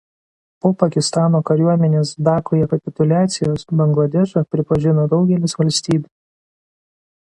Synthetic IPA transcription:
poːpɐkʲɪst̪ɑːnoːkɐɾʲuɔmʲɛnʲeːsd̪ɑːkojɛkɐpʲɪt̪ʊlʲæːt̪sʲɪjoːsbɐŋɡlˠɐd̪ʲɛʃopʲɾʲɪpɐʒʲɪnoːd̪ɒʊɡʲɛlʲɪsʋɐlʲsʲt̪ʲiːbʲu

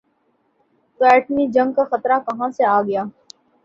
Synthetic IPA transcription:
t̪oɛːʈmid͡ʒɐ̃ŋɡ̚kaxɐt̪ɾakɐɦãseaːɡɐjaː

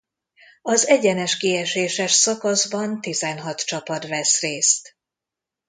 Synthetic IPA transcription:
ɒzɛɟɛnɛʃkiɛʃeːʃɛʃsɒkɒzbɒnt̪izɛnɦɒt̪t͡ʃɒpɒt̪vɛsreːst̪

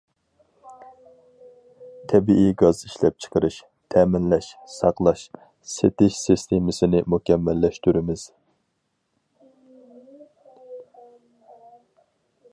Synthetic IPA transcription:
t̪ʰɛbiiɡɑziʃlɛp̚t͡ʃʰə̥qʰəɾɨʃ | t̪ʰɛːmɪnlɛʃsɑqlˠɑʃ | set̪ɪʃsist̪ʰemɪsɪnɪmukʲɛmːɛlːɛʃt̪yɾɪmɪz̥

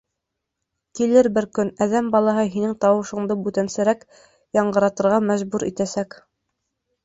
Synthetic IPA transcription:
kilɘɾbɘɾkɵnæðæmbɑlˠɑɦɤɦinɘŋt̪ɑwɤ̆ʃɤ̆ɴd̪ɤbʉt̪ænsɘɾæk | jɑɴɢɤ̆ɾɑt̪ɤ̆ɾʁɑmæʒbuɾʔḭt̪æsæk

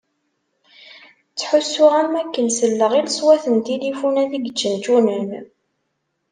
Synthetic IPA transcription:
t͡sːħʊsːʊʁæmækːənsəlːəʁilsˤwæθənt̪ilifunæðiɡət͡ʃːənt̪unəm

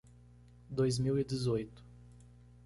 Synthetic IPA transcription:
d̪ojzmiwid̪ɪzojt̪ʊ̥

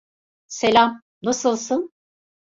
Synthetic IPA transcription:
selʲam | nasɯlˠsɯn

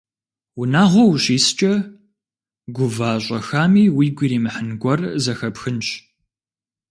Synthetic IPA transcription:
wʊnaːʁʷɔwɕiːst͡ʃʼɐ | ɡʷʊvaːɕʷʼɐxaːmiːwiːɡʷiɾiːmɨħɨnɡʷɔrzɐxɐpxɨnt͡ʃʼ

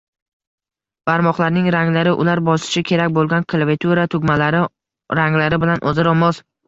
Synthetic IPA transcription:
b̥aɾmɒχlˠaɾnɪŋɾaŋlaɾɪʔʊ̰laɾbɒsɪ̥ʃɪkʲʰe̞ɾakʲbolˠɡʲankʰlˠavit̪ʰuɾat̪ʰʊɡʲmalaɾɪ | ɾaŋlaɾɪbɪlanʔozɪɾɒmɒz

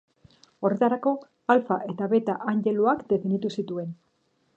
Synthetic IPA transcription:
o̞ret̪aɾako̞ | alfaʔe̞t̪aβe̞t̪aʔaŋʝe̞luakd̪e̞finit̪usit̪ue̞n

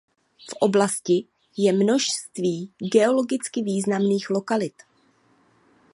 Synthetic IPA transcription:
fʔo̞blascɪ | jɛmno̞ʃst̪viːɡɛo̞lo̞ɡɪt͡skɪviːznamniːxlo̞kalɪt̪

